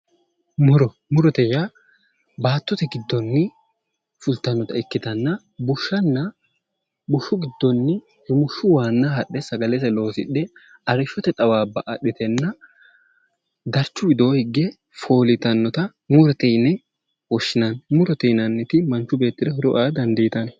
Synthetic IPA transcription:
mʊɾɔ | mʊɾɔt̪ɛja | baːt̪ːɔt̪ɛɡɪd̪ːɔnːɪ | fʊlt̪ːɐnːɔt̪ɐɪkːɪt̪ɐnːɐ | bʊʃːɐnːɐ | bʊʃːʊɡɪd̪ːɔnːɪ | hɛmʊʃːʊwaːnːɐɦɐɗːɛsɐɡɐlɛsɛlo̞ːsɪᶑːɛ | ɐɾɪʃːɔt̪ɛt̪ʼɐwaːbːɐʔɐɗːɪt̪ɛnːɐ | d̪ɐɾt͡ʃːʊwɪd̪o̞ːhɪɡːɛ | fo̞ːlɪt̪ɐnːɔt̪ɐ | mʊɾɔt̪ɛjnɛ | wɔʃːɪnɐnmʊɾɔt̪ɛnɐnːɪt̪ɪmɐnt͡ʃːʊbe̞ːt̪ːɪd̪ɛhʊɾɔʔaːd̪ɐnd̪ɛjɪt̪ɐnɛ

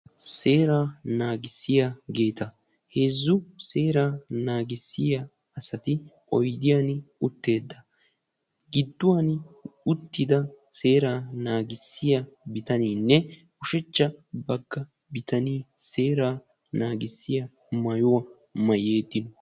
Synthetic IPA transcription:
se̞ːɾaːnaːɡɪsːɪjaɡe̞ːt̪ɐ | heːzːʊseːɾaːnaːɡɪsːɪja | ɐsɐt̪ɪʔɔjd̪ɪjaːnʊt̪ːe̞ːd̪ːɐ | ɡɪd̪ːʊwanʊt̪ːɪd̪ɐse̞ːɾaːnaːɡɪsːɪjabɪt̪ɐniːnːɛkʊʃɛt͡ʃːɐbɐɡːɐ | bɪt̪ɐniːse̞ːɾaː | naːɡɪsːɪjɐ | mɐjʊwɐ | mɐje̞ːd̪ːɪnɔ

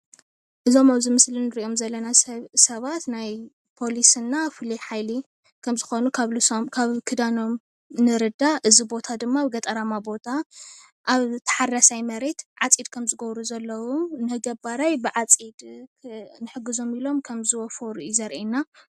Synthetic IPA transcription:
ʔɨzo̞maβzimɨslinɨɾio̞mzɐlːɐnassɐβat̪naj | pʰo̞lisɨnːafɨliħajli | kʰɐmzɨxo̞nukʰaβlɨsomkʰaβkʰɨd̪ano̞m | nɨɾɨd̪aʔɨzibo̞t̪ʰad̪ɨmːaβɡɐt̪ʼɐɾamabo̞t̪ʰa | ʔaβt̪ʰɐ̥ħarasajmɐɾe̞t̪ʕat͡sʼid̪̚kʰɐmzɨɡɐβɾuzɐlːɐwunɨɡɐbaɾajbɨʕat͡sʼid̪ | nɨħɨɡːɨzo̞milo̞mkʰɐmzɨwɔfoɾuizɐɾʔena

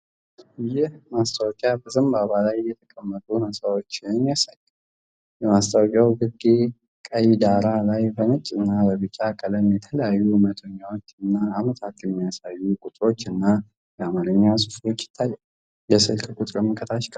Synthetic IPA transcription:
jɪhmast̪ʰʼawɔkʼjabəzəmbaβalajːɛt̪ʰəkʼəmːət̪ʼunəsawot͡ʃːɪmːijasajːɨm | jɛmast̪ʰʼawkʼjawɡɨɡe | kʼəjid̪aɾalajbənət͡ʃʼːɨnːabəβɨt͡ʃʼakʼələmjɛt̪ʰələjajːumət̪ʰəɲːawo̞t͡ʃːɨnːaːmət̪ʰat̪jɛmːijasajːukʼʊt̪ʼɾo̞t͡ʃːɨnːa | jɛamaɾɨɲːasʼɨfo̞t͡ʃːjɪ̥t̪ʰːajːal | jɛsɨlkʰkʷʼut̪ʼɾəmːɨkʰʼət̪ʰaʃkʼə

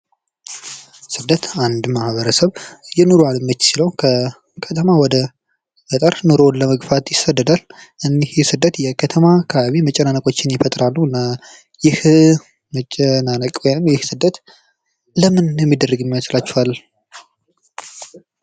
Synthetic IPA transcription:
sɨd̪ət̪and̪mahβəɾəsəβjɛnuɾualɨmːət͡ʃːsiləwkʰə | kʰət̪ʰəmawɔd̪ə | fət̪ʼəɾnuɾonləməɡfat̪jɪsəd̪ːəd̪al | ʔɨnihsɨd̪ːət̪jɛkʰət̪ʰəmakʰəβaβimət͡ʃʼənanəkʼo̞t͡ʃːɪnjɛfət̪ʼɾalːəɨnːa | jɪh | mət͡ʃʼːənanəkʼwɔjnɨmjɪhsɨd̪ːət̪ | ləmɨnjɛmːid̪ərːɨɡɨmːjat͡ʃlat͡ʃːɛhalː

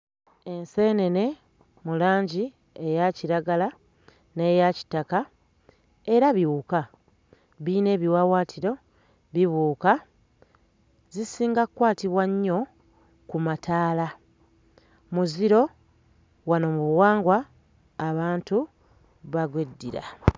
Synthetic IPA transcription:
e̞nse̞ne̞ne̞ | mulaːɲɟi | e̞jaciɾaɡala | ne̞ːjaci̥taka | e̞ɾaβiβuka | βiːne̞ːβiwawaːtʰiɾo̞ | βiβuːka | zisiːŋɡakwaːtiβwaɲːo̞ | kumataːla | muziɾo̞ | wano̞muβuwaːŋɡwaː | βaːntu | βaɡwedːḭɾa̰

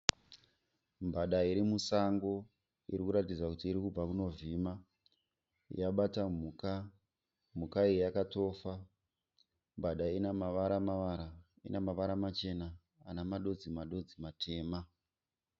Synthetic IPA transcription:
mbaɗaiɾimusaŋɡo̞ | iɾikuɾatid͡zakutiːɾikub͡vakuno̞vima | jaɓatamuka | m̤ukaiejakato̞ːfa | mbʱaɗainamaʋaɾamaʋaɾa | inemaʋaɾamat͡ʃe̞naː | namaɗo̞d͡zimaɗo̞d͡zimatʰe̞ːma

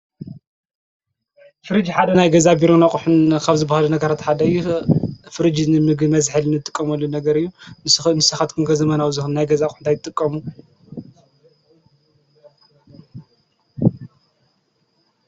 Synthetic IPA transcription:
fɨɾɨd͡ʒiħad̪ɐnajɡɐzabiɾonakʼuħunkʰaβzɨbahalunɐɡɐɾat̪ħad̪ɐjufɨɾɨd͡ʒinɨmɨɡmɐzħɨlnɨt̪ʼːɨkʼːɐmɐlːunɐɡɐɾɨjːunnɨsɐxat̪kʰɨnkʰɐzɐmɐnawzɨxɨnnajɡɐzakʼuħɨnt̪ajɨt̪ʼːɨkʼːɐmu

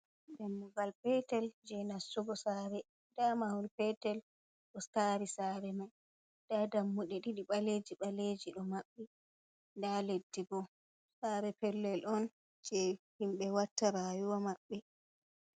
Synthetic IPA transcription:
dɛmːuɡalpɛtɛld͡ʒɛnasːuɡɔsaːɾɛ | damahunpɛtɛl | ɗɔskaɾisaɾɛmaj | d̥adamːuɗɛɗiɗiɓaled͡ʒiɓaled͡ʒiɗɔmaɓːɛ | ndaledːiɡɔ | saːɾɛpɛlːɛlʔɔn | d͡ʒɛhimɓɛwatːaɾajuwamaɓːɛ

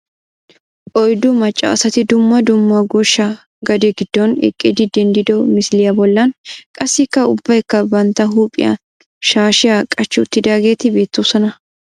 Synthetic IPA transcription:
ʔɔjd̪ʊmɐt͡ʃʼːa̰ːsɐt̪ɪd̪ʊmːɐd̪ʊmːɐɡɔʃːɐ | ɡɐd̪ɛɡɪd̪ːɔnɛ̰kʼːɪd̪ɪd̪ɛnd̪ɪd̪ɔmɪslɪjɐbɔlːɐnkʼɐsːɪkːɐʊbːɐjkːɐbɐnt̪ːɐɦuːpʼɪ̰jɐ̰ | ʃaːʃɪjakʼɐt͡ʃːɪʊt̪ːɪd̪aːɡe̞ːt̪ɪbe̞ːt̪ːoːsɔnɐ

